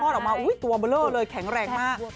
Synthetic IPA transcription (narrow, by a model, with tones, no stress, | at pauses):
ɔː˥˩lwmaː˧˩wʔu˧˥əjt̪u˧˩əɓə˧ləː˧˥˩ləː˧jkʰɛ˨˩˦ŋrɛː˧˩ŋ̚maː˥˩ʔ